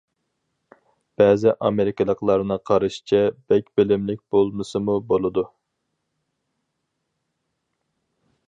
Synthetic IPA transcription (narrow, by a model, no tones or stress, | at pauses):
b̥ɛːzɪʔɑmeɾɪkʲəlˠəqlˠɑɾnɨqʰɑɾɨʃt͡ʃʰɛbɛkʲbɪlɪmlɪk̚ʲb̥olˠmɨsɨmubolˠɨd̪u